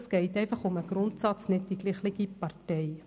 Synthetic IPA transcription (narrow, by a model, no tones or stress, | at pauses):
skəɦitɛjfəχɔməɡrɔntsɑtsnɛt̚dikliχləkipɑrtɛj